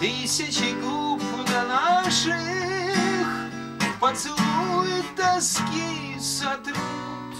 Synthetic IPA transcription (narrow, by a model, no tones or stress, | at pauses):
t̪ɨsʲɪt͡ɕɪɡlupd̪ɐnaʂɨ | x | pɐt̪sɨlˠujʊt̪̚ːɐskʲi | zɐt̪ɾu | t̪